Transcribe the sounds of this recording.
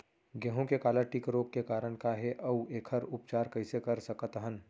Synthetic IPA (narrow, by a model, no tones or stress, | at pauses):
ɡɛɦõkekaːlaʈikɾoːk̚kekaːɾəɽ̃kaɦeʔɐweːkʰəɾʊpt͡ʃaːɾkɐɪsekɐɾsɐkət̪əɦən